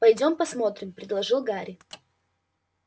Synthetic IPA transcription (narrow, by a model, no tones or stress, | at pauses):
pɐjdʲo̞mpɐsmo̞t̪ɾʲɪmpɾʲɪd̪lˠɐʐɨlˠɡaɾʲɪ